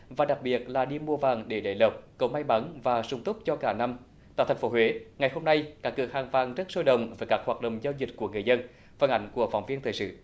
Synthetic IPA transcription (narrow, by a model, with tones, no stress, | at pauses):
vaː˨˩ɗa˨˩k̚ɓi˨˩ət̚laː˨˩ɗi˧mu˧əvaː˨˩ŋɗe˧˩ɗḛ˧˩jlə˨˩p̚kə˨˩wma˧jma˨˦nvaː˨˩sʊ˧ŋ͡mt̪ʊ˦˥k͡p̚t͡ɕɔ˧kaː˧˩na˧m | t̪a̰ː˧˨t̪ʰŋ̟fo˨˦ɦwe˨˦ŋa˨˩jɦo˧mna˧jkaː˦˥kːɨ̰˨˧˩əhaː˨˩ŋvaː˨˩ŋzə˦˥t̚so˧jɗə̰˨wŋ͡mvəː˨˦jkaː˦˥k̚hwaː˨˩t̚ɗə̰˧˨wŋ͡mzaː˧wzï˨˩k̟̚ku˧˩əŋɨ˨˩əjzə˧n | fə˧˩nʔa˧˦jŋ̟ku˧˩əfa̰˨˩wŋ͡mvi˧ənt̪ʰəː˨˩sɨ̰˧˨